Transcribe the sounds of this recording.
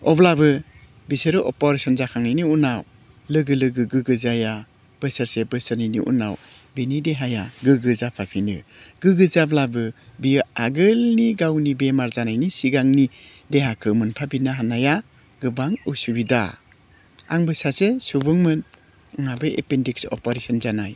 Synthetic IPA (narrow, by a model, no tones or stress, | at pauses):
ɔblabɯ | bisɯɾɯʔɔ̰pɔɾesɔnzakʰaŋnajniunaw | lɯɡɯlɯɡɯɡɯɡɯzaja | b̥ɯsəɾsebɯsəɾninḭʔṵna̰w | binideɦajaɡɯɡɯzapʰapʰinɯ̰ɡ̥ɯɡɯzablabɯbijɯaɡɯlniɡawnibemaɾzanajnisiɡaŋni | deɦakʰɯmɯnpʰabinaɦanaja | ɡɯbaŋɯsubida̰ | a̰ŋbɯsasesubɯŋmɯn | ɯŋabɯḛpendiksɔ̰pɔɾesɔnzanaj